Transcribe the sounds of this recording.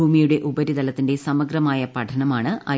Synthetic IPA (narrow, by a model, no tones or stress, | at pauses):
uːmijuɽe̞ʔubɐɾid̪ɐlɐt̪ːinde̞sɐmɐɡɾɐmaːjɐpɐʈʰɐɳɐmaːɳɨɐ